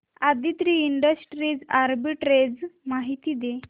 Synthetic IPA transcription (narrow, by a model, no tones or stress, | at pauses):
ad̪it̪ɾiːɳɖəsʈɾiːd͡zaɾbiʈɾed͡zmaɦit̪iːd̪e